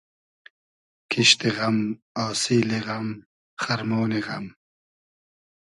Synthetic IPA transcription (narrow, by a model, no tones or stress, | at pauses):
kʰiɕt̪iɣɐm | aːsiːliɣɐm | χɐɾmoːniɣɐm